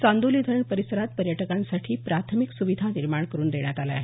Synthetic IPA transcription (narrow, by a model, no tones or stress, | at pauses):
t͡sand̪uliːd̪ʱəɾɳpəɾisəɾat̪̚pəɾjəʈəkãnsaʈʰiːpɾat̪ʰəmiksuʋid̪ʱaniɾmaɳkəɾuːnd̪eɳjat̪ala̰ɦe